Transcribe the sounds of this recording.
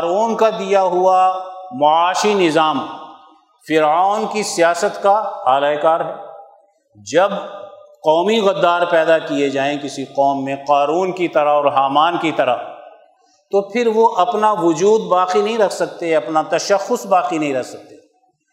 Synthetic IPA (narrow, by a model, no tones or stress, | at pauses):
ɾuːnkad̪ijaɦuamɐaːʃinɪzaːm | fɪɾaːnkisijaːsət̪kaaːlaːekaːɾɦɛː | d͡ʒɐbqɔːmiɣɐd̪ːaːɾpɛːd̪akijed͡ʒaːẽkɪsiqɔːmːẽqaːɾuːnkit̪ɐɾəɔːɾɦaːmaːnkit̪ɐɾə̰ | t̪opʰɪɾʋoʔɐpnaʋʊd͡ʒuːd̪baːqinɐɦĩɾɐkʰsɐk̚t̪eɛɐpnat̪ɐʃɐxʊsbaːqinɐ̃ɦĩɾɐksɐk̚t̪e